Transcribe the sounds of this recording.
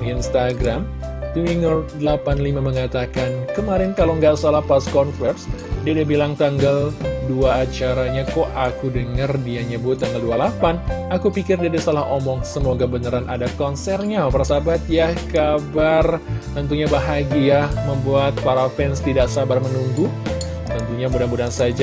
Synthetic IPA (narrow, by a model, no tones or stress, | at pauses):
inst̪aɡɾam | t̪uiŋɔrdəlapanlimaməŋat̪akankəmaɾɪnkaloŋɡaʔsalahpaskɔnfɛrsdiadabilaŋt̪aŋɡalduaːt͡ʃaɾaɲakɔʔakudəŋərdiaɲəbut̪ːaŋɡaldualapanakupikɪrdiadasalahomɔŋsəmoɡabənəɾanʔadakɔnsɛrɲaparsabat̪̚jahkabart̪ənt̪̬uɲabaɦaɡiaməmbuat̪̚paɾafɛnst̪idaʔsabarmənuŋɡu | t̪ənt̪uɲambudanbudansad͡ʒa